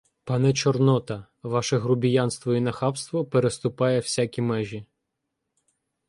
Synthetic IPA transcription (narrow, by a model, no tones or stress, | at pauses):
pɑnɛt͡ʃɔrnɔt̪ɐ | ʋɑʃɛɦɾʊbʲijanst̪ʋɔinɐxɑpst̪ʋɔpeɾest̪ʊpɑjɛw̥sʲakʲimɛʒʲi